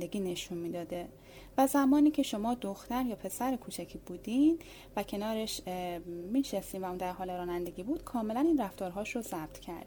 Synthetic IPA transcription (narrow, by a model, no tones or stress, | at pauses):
d̪eɡʲiːne̞ʃunmiːd̪ɒːd̪e | væzæmɒːniːcʰe̞ʃo̞mɒːd̪oxt̪æɾjɒːpʰe̞sæɾekʰuːt͡ʃʰæcʰiːbuːd̪in | væcʰe̞nɒːɾe̞ʃ | miːʃest̪iːnvæund̪æɾɦɒːleɾɒːnænd̪e̞ɟʲiːbuːd̪̥kʰɒːme̞læniːnræft̪ɒːɾɦɒːʃɾozæb̥̚t̪ʰcʰæ̰ɾd̪i